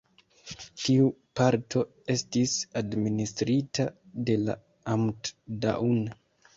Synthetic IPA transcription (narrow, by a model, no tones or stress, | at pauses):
tiupaɾtʰo̞ | e̞stisadministɾitade̞la̰ | amtda̰ʔun